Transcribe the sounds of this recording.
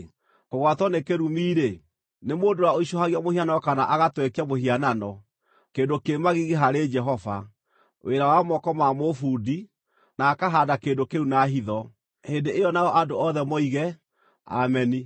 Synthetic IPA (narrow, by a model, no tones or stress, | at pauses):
koɣwatɔnekeɾumiːɾe | nemoːndowaoiʃɔhaɣiamohianaɔkanaʔaɣatwɛkamohiananɔ | keːndokemaɣiɣeɦaɾed͡ʒɛɦɔva | wʔeɾawamɔkɔmamofudi | naːkaɦaːdakeːndokeunaɦiðɔ | hendeejɔnaɔʔandoɔðɛmɔiɣɛ | a̰mɛni